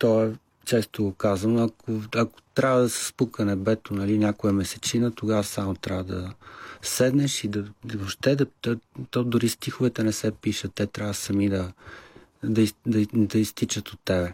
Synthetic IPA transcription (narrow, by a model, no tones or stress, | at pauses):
t̪ɔɛ | t͡ʃɛst̪oɡokazɐnoɐkoɐko̥t̪ɾʲavəd̪ɐsɛ̥spukənɛbɛt̪onɐlinʲakoɛmɛsɛt͡ʃinət̪oɡavɐsamot̪ɾʔavəd̪ɐsɛd̪nɛʃid̪ɐoʃt̪ɛd̪ɐt̪t̪ɔd̪ʊɾist̪ixovɛt̪ɛnɛsɛpiʃət̪ːɛt̪ɾʲavɐsɐmid̪ɐ | d̪ɐid̪ɐd̪ɐist̪it͡ʃət̪ot̪ːɛbɛ